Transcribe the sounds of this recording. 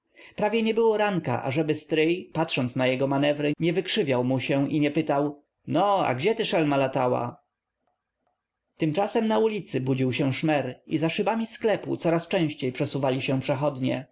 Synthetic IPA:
pɾavʲjɛɲɛbɘwɔɾaŋka̰ʔa̰ʐɛbɘst̪ɾɘjpat̪ʂɔnt̪snajɛɡɔmanɛvɾɘɲɛvɘkʂɘvʲjawmuɕɛ̃ʔiɲɛpɘt̪aw | nɔa̰ɡd͡ʑɛt̪ɘʂɛlmalat̪awa̰ | t̪ɘmt͡ʂasɛmnaulʲit̪sɘbud͡ʑiwɕɛ̃ʂmɛɾizaʂɘbamʲisklɛpṵt̪sɔɾast͡ʂɛ̃w̃ɕt͡ɕejpʂɛsuvalʲiɕɛ̃pʂɛxɔd̪ɲɛ̰

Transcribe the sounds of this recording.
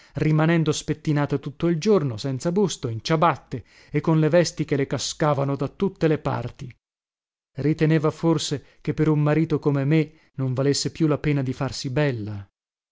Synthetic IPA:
rimanɛnd̪ospet̪ːinaːt̪at̪ut̪ːoild͡ʒornosɛnt̪sabust̪oint͡ʃabat̪ːe | ekːonlevɛst̪ik̟elekaskaːvanod̪at̪ːut̪ːelepa̰rt̪i | rit̪eneːvaforse | k̟epːeɾummaɾiːt̪okomeme | noɱvalesːepjulapeːnad̪ifarsibɛlːa

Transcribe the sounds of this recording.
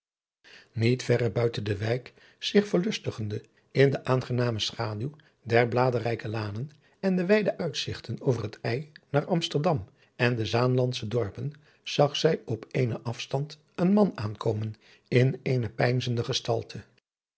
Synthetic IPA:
nitfɛrəbœɥtəndəʋɛjk | sɪχfəɹlɵstəχəndə | ɪndəʔaːnχənaːməsχaːdyw | dɛɹblaːdərɛjkəlaːnən | ɛndəʋɛjdəʔœɥtsɪχtənowvərɦətɛjnaːɹɑmstəɹdɑm | ɛndəzaːnlɑntsədɔɹpən | z̥ɑχsɛjɔpejnəʔɑfstɑnt | ənmɑnaːnkowmən | ɪnejnəpɛjnzəndəχəstɑ̰lˠtʰə

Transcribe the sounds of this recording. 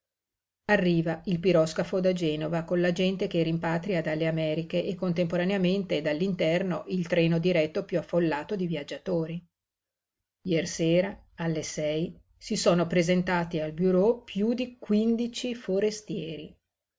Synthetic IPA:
arːiːvailpiɾɔskafod̪ad͡ʒɛːnovakonlad͡ʒɛnt̪ekerimpaːt̪ɾiad̪alːeamɛːɾikeʔːkːont̪empoɾaneament̪ed̪alːint̪ɛrnoʔilt̪ɾɛːnod̪iɾɛt̪ːopjuafːolːaːt̪od̪ivjad͡ʒːat̪oːɾi | jɛːrseːɾa | alːesɛj | sisoːnopɾezent̪aːt̪ialbuɾopjud̪ikwind̪it͡ʃifoɾest̪jɛːɾi

